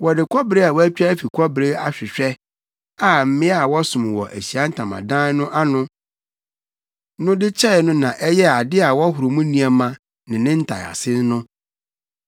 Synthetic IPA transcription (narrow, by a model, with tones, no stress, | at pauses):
wɔ˨dɪ˨kʷʰɔ˦bɾe˦a˨wɔ˦æ˦t͡ɕᶣa˦fi˨kʷʰɔ˦bɾe˦a˨ɕᶣɪ˨ɕᶣɛ˦ | a˦m̩˦mɪ̃˦a˨wɔ˦sʊ̃˨m˨wɔ̰˨ʔæ˨ɕi˨a˦n̩˦tʰã˨mã̰˨dã˦nʊ̃˦ʔa˦nʊ̃˦ | nʊ̃˦dɪ˦t͡ɕʰɛ˦˨nʊ̃˦nã˨ʔɛ˦jɛ˦a˨dɪ˦a˨wɔ˦ɦʊ˨ɾo˨mũ˦nĩ˨a˨mã˨ | nɪ̃˨nɪ̃˦n̩˦tʰa̰˨a̰˨sɪ˦n˦nʊ̃˦